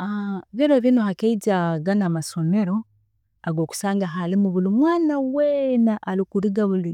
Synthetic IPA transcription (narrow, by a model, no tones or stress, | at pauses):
aβiɾoβinohakeiɟaɡanamaso̞me̞ɾo̞ | aɡoːku̥saːŋɡaɦalimuβulumwaːnawenaʔalikuɾiɡaβuli